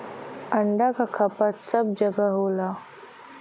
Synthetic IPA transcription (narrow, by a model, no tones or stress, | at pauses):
əɳɖakakʰɐpət̪səb̚d͡ʒəɡəɦoːlaː